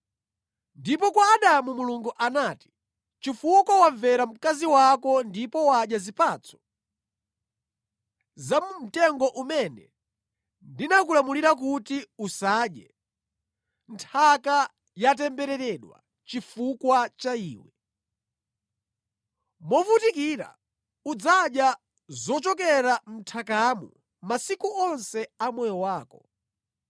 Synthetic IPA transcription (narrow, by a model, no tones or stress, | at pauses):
ndip̬ɔkwaːɗamumuluŋɡuʔanaːti̥ | t͡ʃifukwawaɱvɛɾam̩kaziwakɔndipɔwaɗjazipaːt͡sʰɔ̥ | zamum̩tɛŋɡɔʔumɛnɛ̰ | ndinak̬ulamuliɾak̬utiusaːɗjɛ | ntʰaka | jat̬ɛmbɛɾɛɾɛɗwa̰ | t͡ʃifukwat͡ʃaḭːwɛ | mɔfutikiːɾa̰ | ud͡zaɗja | zɔt͡ʃɔk̬ɛɾam̩tʰakamṵ | masikuɔnsɛamwɛjɔwaːkɔ